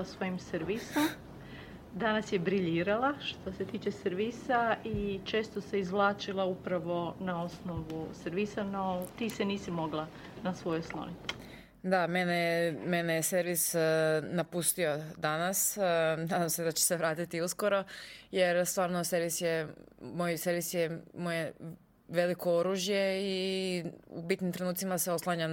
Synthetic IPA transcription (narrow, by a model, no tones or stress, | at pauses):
sʋo̞jimseɾʋisom | d̪anasjebɾiʎiːɾalaʃt̪ose̞t̪iːt͡ʃeseɾʋisait͡ʃe̞ːst̪ose̞izʋlˠaːt͡ʃilˠaupɾaʋo̞nao̞sno̞ʋuseɾʋisano̞t̪iːseniːsimo̞ɡlˠa | nasʋo̞joslˠo̰nit̪ | d̪amenejme̞nejeseɾʋisnapust̪io̞d̪anasnaːd̪amsed̪at͡ɕe̥se̞ʋɾaːt̪it̪iusko̞ɾo̞je̞ɾst̪ʋaːɾnose̞ɾʋisjemo̞jse̞ɾʋisjemoje | ʋe̞likooɾuːʒje̞i | ṵbit̪nimt̪ɾe̞nuːt̪imaseo̞slˠaɲa